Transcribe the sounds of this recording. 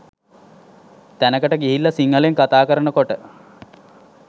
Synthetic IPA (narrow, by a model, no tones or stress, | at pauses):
t̪ænəkəʈəɡiɦilːɐsiŋːəleŋkat̪aːkəɾənəkoʈə